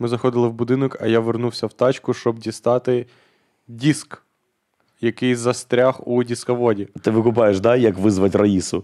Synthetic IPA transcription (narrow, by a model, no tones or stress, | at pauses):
mɪzɐxɔd̪ɪlˠɪwbʊd̪ɪnɔkɐjaʋernuwsʲɐwt̪ɑt͡ʃkʊʃt͡ʃɔbdʲist̪ɑt̪ɪ | dʲisk | jɐkɪjzɐst̪ɾʲaxudʲiskɐʋɔdʲit̪ɪʋɪkʊp̬ɑjeʃd̪ɑjɐkʋɪzʋɐtʲrɐisʊ